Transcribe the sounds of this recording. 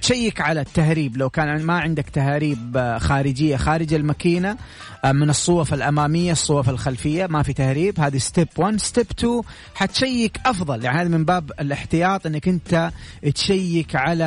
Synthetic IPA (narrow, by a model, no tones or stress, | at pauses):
t̪ʃajːɪkʕalat̪ːahɾiːblawkaːnʕɪnmaʕɪnd̪akt̪ahaːɾiːbxaːɾɪd͡ʒɪjːaxaːɾɪd͡ʒalmakiːna | mɪnɨsˤːʊwɑfɪlʔamaːmɪjːasˤːuwɑfalxalfɪjːamafit̪ahɾiːbhaːðist̪ɪbwanst̪ɪbt̪u | ħat̪ʃajːɪkʔɑfðˤɑljaʕnihaːðmɪmbaːbɪlɪħt̪ɪjɑːt̪ˤʔɪnːakʔɪnt̪at̪ʃajːɪkʕala